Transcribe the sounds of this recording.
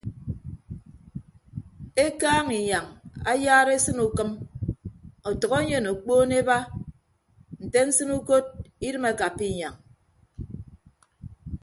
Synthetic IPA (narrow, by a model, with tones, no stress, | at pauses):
e˦kaː˦ŋi˨ɲa˨ŋa̰˦jaː˦ɾe˦sɨ˦nu˨kɨ˦m | ɔ˨tɔ˨ɣo˦ɲe˨no˨k͡poː˦ne˦ba˦ | n̩˨te˦n̩˦sɨ˦nu˦ko˦t̚i˦ɾɨ˦me˨ka˨pːi˦˨ɲa˨ŋ